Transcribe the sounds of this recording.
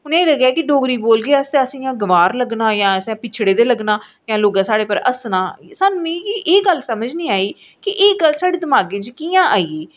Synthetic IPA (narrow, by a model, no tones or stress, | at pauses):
ʊnẽːləɡjaːkɪɖoːɡɾiːboːlɡeast̪eəsĩjãːɡəʋaːɾləɡnaːjãːəsɛ̃ːpɪt͡ʃʰɽeːd̪eːləɡnaː | jãːloːɡãːsaːɽeːpəɾə̰snãːsaːnũːmẽːiʔeːɡəlsəməd͡ʒnĩːaːiː | kɪʔɪːɡəlsaːɽeːd̪ɪmaːɡẽːt͡ʃkɪjãːʔaːiːeː